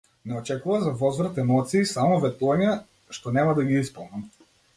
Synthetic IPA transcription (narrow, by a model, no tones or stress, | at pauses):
nɛɔt͡ʃɛkuvazavɔzvɾat̪ɛmɔt̪siːsamɔvɛt̪uvaɲɛ | ʃt̪ɔnɛmad̪aɡiispɔlˠnam